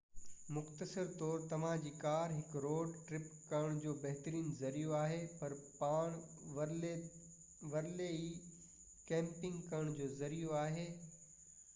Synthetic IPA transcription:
mʊxt̪əsəɾt̪ɔːɾt̪ɐʋ̤ãd͡ʑiːkaːɾɦɪkɾoːɖʈɾɪpkɐɾəɽ̃d͡ʑoːbɐɦt̪ɾiːnzɐɾijoaːɦepɐɾpaːɽ̃ | ʋɐɾleiː | kɛ̃ːmpɪ̃ŋɡkɐɾəɽ̃d͡ʑoːzɐɾijoaːɦeː

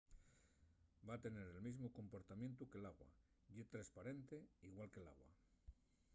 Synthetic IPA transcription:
baːt̪e̞ne̞ɾe̞lmizmoko̞mpo̞ɾt̪amjẽ̞nt̪uke̞laɣwa̰ | ʎet̪ɾaspaɾe̞nt̪e̞iɣwalke̞la̰ɣwa̰

